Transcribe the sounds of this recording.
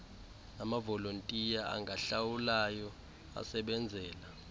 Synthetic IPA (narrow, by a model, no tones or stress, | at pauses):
namavɔlontʼijaa̰ŋɡʱaɬawulajɔ | a̰sɛɓɛnd͡zʱɛːla